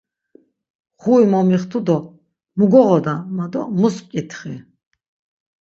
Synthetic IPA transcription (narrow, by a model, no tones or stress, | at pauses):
χuimɔmiχt̪ʰud̪ɔ | muɡɔʁɔd̪amad̪ɔ̰muspkʼit̪ʰχi